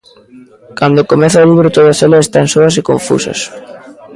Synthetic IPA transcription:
kand̪okomeθaɐoliβɾot̪oðɐselaest̪ansoɐs̬ekoɱfṵsɐ̰s

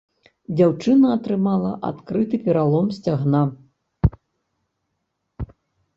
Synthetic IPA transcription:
d͡zʲawt͡ʂɨnɐːt̪ɾɨmalˠɐʔa̰t̪kɾɨt̪ɨpʲɛɾalˠɔmsʲt͡sʲaɣna

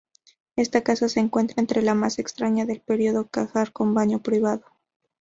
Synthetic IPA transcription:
e̞st̪akasase̞ːŋkwe̞nt̪ɾaent̪ɾe̞lamase̞kst̪ɾaɲaðe̞lpe̞ɾio̞ðo̞kaxaɾko̞mbaɲo̞pɾiβaðo̞

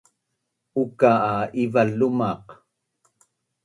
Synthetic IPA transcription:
ukaʔːivalumɑq

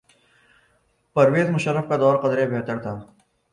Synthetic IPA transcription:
pɐɾʋeːzmʊʃəɾːəfkad̪ɔːɾqəd̪ɾebʱeːt̪əɾt̪ʰaː

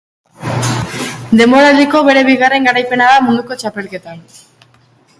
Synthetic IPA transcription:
d̪e̞mo̞ɾald̪iko̞βe̞ɾe̞βiɣare̞ŋɡaɾajpe̞naðamund̪uko̞t͡ʃape̞lke̞t̪an

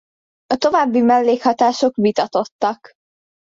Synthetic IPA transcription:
ɒt̪o̞vaːbːimɛlːeːkhɒt̪aːʃo̞kbit̪ɒt̪o̞t̪ːɒk

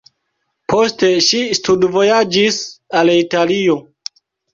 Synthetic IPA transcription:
pʰo̞ste̞ʃistudvo̞jad͡ʒisalitalio̞

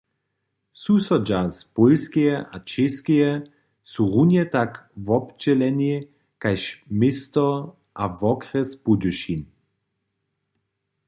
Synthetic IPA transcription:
susɔd͡ʒaspolskeɛʔat͡ʃeskijɛ | suʁunjɛt̪akvɔpd͡ʒɛlɛni | kajʃmɪst̪ɔ | ʔavɔkʁɛspuduʃin

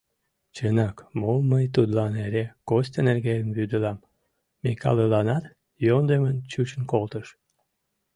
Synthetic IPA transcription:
t͡ɕənɑkmoməjt̪ud̪lɑneɾekost̪enerɣejəmβyd̪əlɑmː | ekɑ̰lelɑnɑt̪ | jond̪emənt͡ɕut͡ɕənkolt̪əʃ

